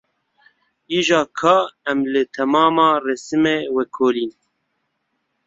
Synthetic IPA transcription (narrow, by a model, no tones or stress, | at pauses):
iːʒɑːkʰɑːɛmlɨt̪ʰɛmɑːmɑːrɛsɨmewɛkʰoːliːn